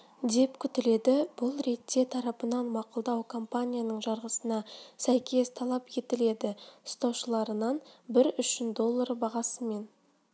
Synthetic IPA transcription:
d̪e̞pkʲʰʏt̪ɪle̞d̪ɪb̥ʊlˠɾe̞t̪ːe̞t̪ʰɑɾɑpənɑnmɑqʊlˠd̪ɑwkʰo̞mpanʲijanəɴʒɑɾʁəsənɑsæjkʲʰe̞st̪ʰɑlˠɑpe̞t̪ɪle̞d̪ɪʊst̪ɑwʃəlˠɑɾənɑnbɪɾʏʃɪnd̪o̞lˠːaɾbɑʁɑsəme̞n

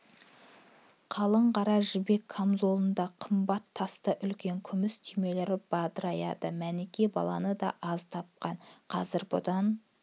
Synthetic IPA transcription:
qʰɑlˠəɴqɑɾɑʒɪbe̞kʰːamzo̞lˠənd̪ɑqʰəmbɑt̪ʰːɑst̪əʔʏlkʲe̞ŋkʲʰʏmɪst̪ʰime̞leɾɪb̥ɑd̪əɾɑjɑ̰d̪əmænekʲe̞bɑ̰lˠɑ̰nəd̪ɑ̰ʔɑzt̪ʰɑp̚qɑnqʰɑzɪɾbʊd̪ɑn

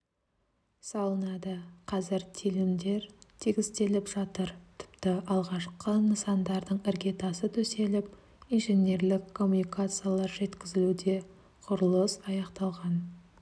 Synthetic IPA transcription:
sɑlˠənɑd̪əqʰɑzɪɾt̪ʰilɪmd̪e̞ɾt̪ʰeɡʲɪzt̪e̞lɪpʒ̥ɑt̪əɾt̪ʰɪ̥pt̪ɪʔɑlˠʁɑʃqənəsɑnd̪ɑɾd̪əɴɪɾɡʲe̞t̪ɑsət̪ʰɵse̞lɪp̚ | ijnʒenʲe̞ɾlɪkʰːo̞mːunijkat̪sɨjalˠɑɾʒe̞t̪kʲɪzɪlud̪e̞ | qʰʊɾəlˠəsɑjɑqt̪ɑlˠʁɑn

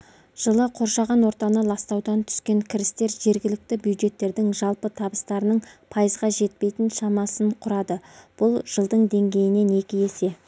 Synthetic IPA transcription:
ʒ̥əlˠəqʰo̞ɾʃɑʁɑnwo̞ɾt̪ɑnəlˠɑst̪ɑwd̪ɑnt̪ʰʏ̥skʲe̞ŋkʲʰɪɾɪst̪e̞ɾʒe̞ɾɡʲɪlɪk̚t̪ɪbjuwd̪ʒe̞t̪ːe̞ɾd̪ɪŋʒɑlˠpət̪ʰɑbəst̪ɑɾənəɴpʰɑjəzʁɑʒe̞t̪̚pe̞jt̪ɪnʃɑmɑsəɴqʰʊɾɑd̪əb̥ʊlˠʒ̥əlˠd̪əɴd̪e̞ŋɡʲe̞jɪne̞ne̞kʲɪje̞se̞

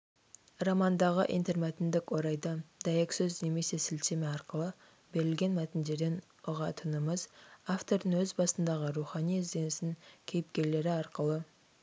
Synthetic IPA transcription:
rɑmɑnd̪ɑʁəʔḭjnt̪eɾmæt̪ɪnd̪ɪkwo̞ɾɑjd̪ɑd̪ɑjeksɵzne̞me̞se̞sɪlsemɪɑɾqəlˠə | be̞ɾɪlɡʲe̞nmæt̪ɪnd̪e̞ɾd̪e̞n | ʊʁɑt̪ʰənəməzaft̪o̞ɾd̪əŋwɵzbɑsənd̪ɑʁəɾuχɑnijɪzd̪e̞nɪsɪŋkʲʰe̞jɪp̚kʲe̞ɾle̞ɾɪɑɾqəlˠə

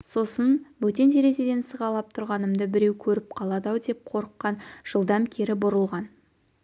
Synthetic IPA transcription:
so̞sənbɵt̪e̞nd̪e̞ɾe̞ʒed̪e̞nsəʁɑlˠɑp̚t̪ʰʊɾʁɑnəmd̪əbɪɾe̞wkʲʰɵɾɪp̚qʰɑlˠɑd̪ɑwd̪e̞p̚qʰo̞ɾəqːɑnʒ̥əlˠd̪ɑmkʲʰe̞ɾɪbʊɾəlˠʁɑn

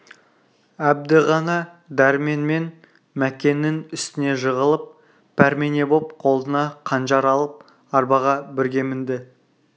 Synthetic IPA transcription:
æb̚d̪ɪʁɑnɑ | d̪æɾme̞nme̞n | mækʲe̞nːɪŋʏst̪ɪne̞ʒəʁəlˠəp̚ | pʰæɾmene̞bop̚qʰo̞lˠd̪ənɑqʰɑnʒɑɾɑlˠəp̚ | ɑɾbɑʁɑbɪɾɡʲe̞mɪnd̪ɪ

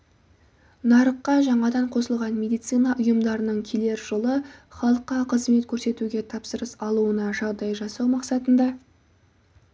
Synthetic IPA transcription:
nɑɾəqːɑʒɑɴɑd̪ɑɴqʰo̞səlˠʁɑnmʲe̞d̪ijt̪sɨjnɑʔʊjəmd̪ɑɾənəɴkʲʰele̞ɾʒolˠəχɑlˠəqːɑqʰəzme̞t̪kʲʰɵɾse̞t̪uɡʲe̞t̪ʰɑpsəɾəsɑlˠuənɑʒɑʁd̪ɑjʒɑsɑwmɑqsɑt̪ənd̪ɑ

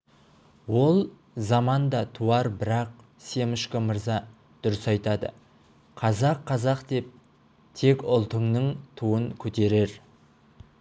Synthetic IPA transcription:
wo̞lˠ | zɑmɑnd̪ɑt̪ʰuɑɾbɪɾɑq̚ | se̞mɪʃkʲɪməɾzɑ | d̪̥ʊɾɪsɑjt̪ɑd̪ə̰ | qʰɑzɑqʰːɑzɑqt̪e̞p̚ | t̪ʰe̞kʲʊlˠt̪əɴnəɴt̪ʰuəŋkʲʰɵt̪e̞ɾe̞ɾ

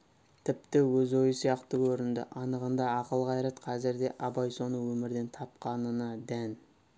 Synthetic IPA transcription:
t̪ʰɪpt̪ɪwɵzo̞jəsijɑqt̪əkʲʰɵɾɪnd̪ɪ̰ʔɑnəʁənd̪ɑɑqəlˠʁɑjɾɑt̪qʰɑzɪɾd̪e̞ʔɑbɑjso̞nəwɵmɪɾd̪e̞nt̪ʰɑp̚qɑnənɑd̪æn

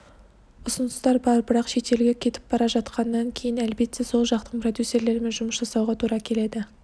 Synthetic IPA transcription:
ʊsʊnəst̪ɑɾbɑɾbɪɾɑqʃe̞t̪e̞lɡʲe̞kʲʰe̞t̪ɪ̥p̚b̥ɑɾɑʒɑt̪qʰɑnːɑŋkʲʰe̞jɪnælbe̞t̪ːe̞so̞lˠʒɑqt̪əqpʰrod̪jusːe̞ɾle̞ɾme̞nʒʊməsʒ̥ɑsɑwʁɑt̪ʰuɾɑkʲʰe̞le̞d̪ɪ

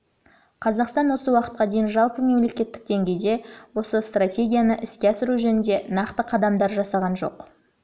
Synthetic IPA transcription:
qʰɑzɑqst̪ɑnwo̞səwɑqə̥t̪̚qɑd̪e̞jɪnʒɑlˠpəme̞mle̞kʲe̞t̪ːɪk̚d̪e̞ŋɡʲe̞jd̪e̞wo̞səst̪ratʲe̞ɡʲijanəʔɪskʲeɑsɪɾuʒɵnɪnd̪e̞nɑqt̪əqʰɑd̪ɑmd̪ɑɾʒɑsɑʁɑnʒo̞̰q

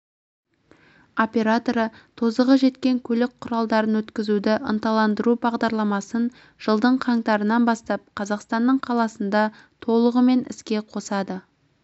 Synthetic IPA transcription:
o̞pʲe̞ɾat̪oɾət̪ʰo̞zəʁəʒe̞t̪kʲe̞ŋkʲʰɵlɪk̚qʰʊɾɑlˠd̪ɑɾənwɵt̪kʲɪzud̪ɪʔə̰nt̪ɑlˠɑnd̪əɾubɑʁd̪ɑɾlˠɑmɑsən | ʒ̥əlˠd̪əɴqʰɑɴt̪ɑɾənɑnbɑst̪ɑp̚qʰɑzɑqst̪ɑnːəɴqʰɑlˠɑsənd̪ɑ | t̪ʰo̞lˠəʁəme̞nɪ̰skʲe̞qʰo̞sɑd̪ə

